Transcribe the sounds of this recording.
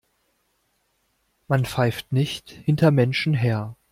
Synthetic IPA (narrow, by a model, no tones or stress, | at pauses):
manfaɪftnɪçthɪntɐmɛnʃn̩ɦeːɐ